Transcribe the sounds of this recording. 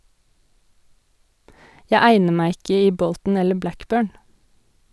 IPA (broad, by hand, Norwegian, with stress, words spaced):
ˈjæɪ ˈæɪnə ˈmæɪ ˈɪkə ˈiː ˈbɔltn̩ ˈɛlə ˈblækˌbøːɳ